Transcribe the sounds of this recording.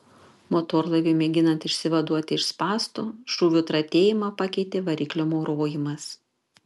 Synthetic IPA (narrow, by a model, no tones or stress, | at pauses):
mot̪oːɾlˠɐɪʋʲemʲɛɡʲɪnɐnt̪ɪʃʲsʲɪʋɐd̪uɔt̪ʲɪɪʃspɑːst̪uʃuːʋʲʊt̪ɾɐt̪ʲeːjɪmɑpɑkʲɛɪt̪ʲeːʋɐɾʲiːklʲoːmoːɾoːjɪmɐs